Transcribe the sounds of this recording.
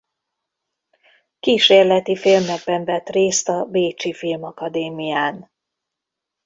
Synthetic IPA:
kiːʃeːrlɛt̪ifilmɛɡ̚bɛɱvɛt̪reːst̪ɒbeːt͡ʃifilmɒkɒd̪eːmijaːn

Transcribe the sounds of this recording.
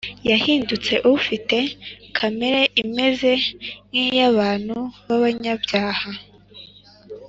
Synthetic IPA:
jahiːndut͡se̞ʔuufite̞kʰameɾe̞ʔime̞ze̞ŋijaβaːn̥huβaβaɲabjaːha

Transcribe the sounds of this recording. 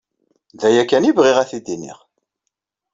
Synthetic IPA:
ðæjækːænivʁiʁæθid̪inḭʁ

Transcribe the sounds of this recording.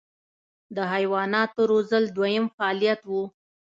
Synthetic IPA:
d̪əɦajwɑnɑt̪oɾozəld̪wajəmfaɑlijat̪wu

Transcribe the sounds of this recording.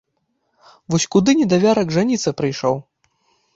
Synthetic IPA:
vɔsʲkud̪ɨnʲɛd̪avʲaɾɐɡʐanʲit̪sɐpɾɨjʂɔw

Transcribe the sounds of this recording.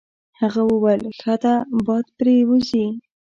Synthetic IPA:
haɣawəwajlxat̪abɑd̪pɾewəzi

